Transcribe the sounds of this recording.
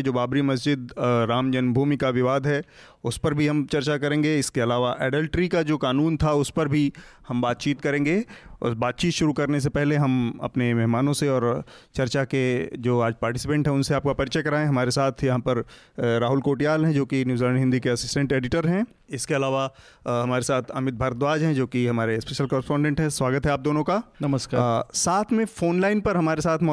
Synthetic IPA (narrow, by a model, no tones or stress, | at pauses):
d͡ʒoːbaːbɾimɐs̬d͡ʒɪd̪ɾaːmd͡ʒənbʱuːmikaʋɪʋaːd̪ʱɦɛ | ʊspɐɾbʱiɦɐmt͡ʃɐɾt͡ʃakɐɾẽːŋɡeɪskeɐlaːʋaʔɛːɖəlʈɾikad͡ʒoːkaːnuːnt̪ʰaʊspɐɾbʱi | hɐmbaːt̪̚t͡ʃiːt̪kɐɾẽːŋɡḛbaːt̪̚t͡ʃiːt̪ʃʊɾukɐɾnes̬epɛɦleɦɐmɐ̰pnemɛɦmaːnõseɔːɾt͡ʃɐɾt͡ʃaked͡ʒoːaːd͡ʒpaːɾʈɪsɪpə̃ɳʈɦɛ̃ʊ̃nseaːp̚kapɐɾɪt͡ʃəkɐɾaːẽɦɐmaːɾesaːt̪ʰjɐɦãpɐɾ | ɾaːɦʊlkoːʈijaːlɦɛ̃d͡ʒoːkinjuːzlə̃ɳɖɦɪ̃nd̪ikeɐsɪsʈə̃ɳʈeːɖɪʈəɾɦɛ̃ | ɪskeɐlaːʋa | ɦɐmaːɾesaːt̪ʰɐmɪt̪̚bʱaːɾət̪ʋaːd͡ʒɦɛ̃d͡ʒoːkiɦɐmaːɾespɛʃəlkɔːɾɪspɔ̃ːɳɖẽɳʈɦɛ̃sʋaːɡət̪ɦɛaːp̚d̪oːnõkanɐməskaːsaːt̪ʰmẽfoːnlaːɪnpɐɾɦɐmaːɾesaːt̪ʰmɔ